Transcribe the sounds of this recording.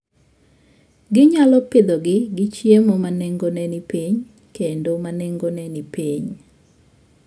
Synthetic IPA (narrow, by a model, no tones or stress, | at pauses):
ɡɪɲalɔpɪd̪oɡɪɡɪt͡ʃjemomanɛŋɡonɛnɪpiɲ | kendomanɛŋɡonɛnipiɲ